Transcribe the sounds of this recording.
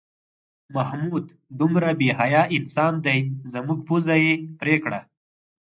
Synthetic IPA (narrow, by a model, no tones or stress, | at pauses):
mahmud̪ | d̪umɾabeɦajɑʔɪnsɑnd̪ajzəmuɡpuzajepɾekɽa